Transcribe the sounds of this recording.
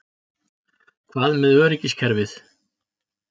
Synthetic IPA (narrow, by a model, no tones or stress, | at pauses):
kʰvaːðmɛðœːɾɛcːɪscʰɛɾvɪθ